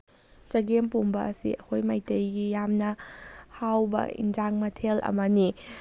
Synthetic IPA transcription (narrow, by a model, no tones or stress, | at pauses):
t͡ʃɐɡempombɐɐsḭɐkʰojmajtejɡijamnɐhawbɐ̰ḭnd͡ʒaŋmɐtʰelʔɐ̰mɐni